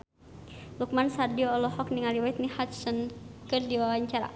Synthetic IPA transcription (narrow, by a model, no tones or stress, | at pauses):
luk̚mansardiɔɔlɔhɔk̚niŋaliwait̪̚nihat̪sənkɨrdiwawaɲt͡ʃaɾa̰